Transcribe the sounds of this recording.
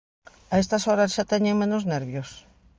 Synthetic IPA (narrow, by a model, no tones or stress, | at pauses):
aest̪ɐsoɾɐsʃat̪ɛɲẽŋmẽnozneɾβjos